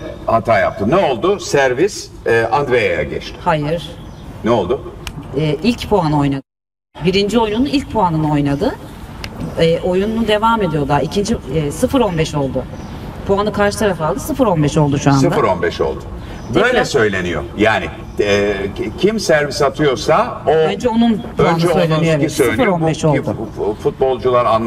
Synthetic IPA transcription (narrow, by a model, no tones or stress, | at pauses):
hat̪ʰaːja̰p̚t̪ʰɯnɛo̞lˠd̪ʊsæɾvisɛʔand̪ɾejaja̰ɟɛ̰t͡ʃt̪ʰɪ̥hajɯɾ̥nɛo̞lˠd̪ʊɛːʔilʲcpʰoano̞jnad̪ɯ | biɾind͡ʒio̞jnunuilʲc̚pʰoanɯnɯo̞jnad̪ɯ | ɛʔo̞jununud̪e̞vaːme̞d̪ijo̞d̪aicʰind͡ʒiɛsɯfɯɾo̞nbɛʃo̞lˠd̪ʊ | pʰoanɯkʰaɾʃɯt̪ʰaɾafalˠd̪ɯsɯfɯɾo̞nbɛʃo̞lˠd̪uʃuand̪afɾonbɛʃo̞̰lˠd̪ʊ̥ | bøjlʲɛsø̞jlʲenḭjo̰jaːnɪ | ɛcʰimsæɾvisat̪ʰɯjo̞ɾsaoønd͡ʒɛo̞nunpʰonnd͡ʒɛø̞jlʲenijoesɯfɯɾo̞nbɛʃo̞lʊ̰fut̪̚bo̞lˠd͡ʒulˠaɾan